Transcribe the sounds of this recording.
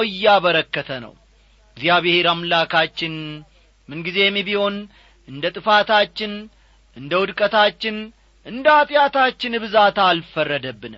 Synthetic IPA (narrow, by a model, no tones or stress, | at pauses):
ɨjːaβəɾəkːət̪ʰənə̰w | ɡzijaβeheɾamlakʰat͡ʃːɪn | mɨnɡize̞jmːiβiho̞n | ʔɨnd̪ət̪ʼɨfat̪ʰat͡ʃːɪn | ʔɨnd̪əwʊd̪kʼət̪ʰat͡ʃːɪn | ʔɨnd̪əat̪ʼjat̪at͡ʃːɪnɨbɨzat̪alfərːəd̪əbːɨnɨm